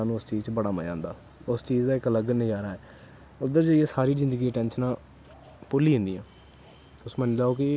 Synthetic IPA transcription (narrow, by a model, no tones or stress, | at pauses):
aːnũːʊst͡ʃiːzt͡ʃbəɽaːmə̰jã̰ːnd̪aː | ʊst͡ʃiːzd̪aːɪkələɡned͡ʒaːɾaːɛː | ʊd̪əɾd͡ʒəieːsaːɾiːzɪ̃nd̪əɡiːəʈɛ̃ːnʃnãː | pʊliːɦʊ̃nd̪iːãː | ʊsmɛ̃ːnlaːoːkɪ